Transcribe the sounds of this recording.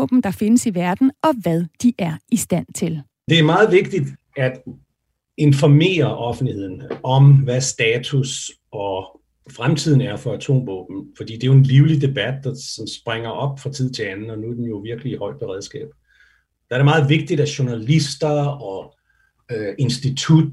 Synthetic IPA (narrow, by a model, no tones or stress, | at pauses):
ɔ̰b̥m̩d̥ɑ̈fe̝nəsiʋæɐd̥n̩ɒ̽ʋæð̞ˠd̥iʔæɐisd̥æn̰t͡sʰe̝l | d̥e̝æɐmɑ̈ːð̞̩ˠʋe̝ɡ̥̚d̥id̥ | æd̥ | e̝nfɒme̝̰ːɐʔɒ̽fn̩dlihe̝ð̰ˠn̩ɒ̽mʋæsd̥ɛːt͡sʰus | ɒ̽ | fʁamt͡sʰið̰ˠn̩æɐfɒ̽æt͡sʰo̝̰ːmʋɔ̰ːb̥n̩fɒd̥ḭːd̥e̝jo̝e̝nliʊlid̥e̝b̥æd̥̚ːɑ̈sɒ̽msb̥ʁeŋ̰ɐʔɒ̽b̥fʁɑ̈t͡sʰið̞̰ˠt͡sʰe̝ænn̩ɒ̽nuæd̥enjo̝ʋiɐɡ̥əliːhɒ̽ɪ̰̥pʰɒʁɛð̞ˠsɡ̥ɛ̰ːb̥ | d̥ɑ̈æɐɾemɑ̈ːð̞̩ˠʋe̝ɡ̥̚d̥id̥æɕo̝nælisd̥ɐɒ̽ | ʔe̝nsd̥it͡sʰud̥̚